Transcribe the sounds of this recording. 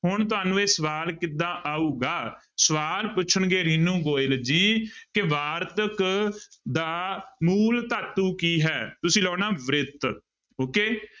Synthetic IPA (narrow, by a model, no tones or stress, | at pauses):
hʊɳt̪ʊaːnũːeːsəʋaːlkɪd̪ãːʔaːuːɡaː | səʋaːlpʊt͡ʃʰəɳɡeːɾiːnũːɡoːɪld͡ʒiːkɪʋaːɾt̪ək | d̪aːmuːlt̪aːt̪uːkiːɦɛːt̪ʊsĩːlɔːnaːʋɾɪt̪ | oːkeː